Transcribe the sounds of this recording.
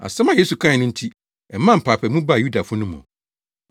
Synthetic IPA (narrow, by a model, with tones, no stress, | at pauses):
a̰˨sɛ˦mã˦je˦su˨kʰã˦˨nʊ̃˦n̩˦tʰi˦ | ɛ˨mːã˦˨m̩˨pʰaː˨pʰɛ˨mũ˦ba˦˨ju˦da˨fʊ˦nʊ̃˦mʊ̰̃˨